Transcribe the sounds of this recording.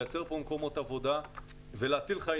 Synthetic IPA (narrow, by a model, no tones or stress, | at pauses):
jat͡se̞ʁpomko̞mot̪avo̞d̪a | veleat͡silχa